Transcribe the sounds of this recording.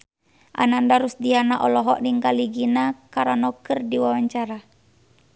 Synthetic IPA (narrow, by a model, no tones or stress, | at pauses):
ʔa̰nandaɾusdianaʔɔlɔɦɔʔniŋkaliɡinakaɾanɔkɨrdiwawaɲt͡ʃaɾa